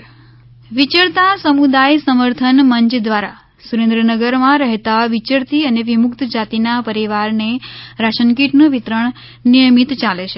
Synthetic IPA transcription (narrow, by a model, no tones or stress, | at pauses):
ʋit͡ʃəɾt̪asəmud̪ajsəməɾt̪ʰənməɲt͡ʃd̪ʋaɾa | suɾẽnd̪ɾənəɡəɾmãɾəɦt̪aʋit͡ʃəɾt̪iəneʋimʊkt̪d͡ʒat̪inapəɾiʋaɾneɾaʃənk̬iʈnũʋit̪ɾəɳ̃ | nijəmit̪t͡ʃalet͡ʃʰe